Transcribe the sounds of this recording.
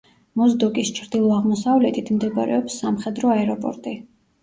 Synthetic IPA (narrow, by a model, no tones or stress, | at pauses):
mɔzd̪ɔkʼist͡ʃʰɾd̪ilˠɔaʁmɔsavlɛt̪ʰit̪ʰmd̪ɛba̰ɾɛ̰ɔpsːamχɛd̪ɾɔaɛɾɔpʼɔ̰ɾt̪ʼi